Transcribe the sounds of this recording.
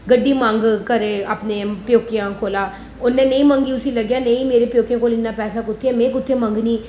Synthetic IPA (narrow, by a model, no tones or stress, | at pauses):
ɡəɖːiːmãŋɡkəɾeːəpnẽːpjoːkijãːkʰoːlaː | ʊnːɛ̃ːnəĩːmə̃ŋɡiʊsiləɡjaːnəĩmeːɾepjoːkjãːkolɪnːaːpɛːsaːkʊt̪ʰːemẽːkʊt̪ʰːemə̃ŋɡniː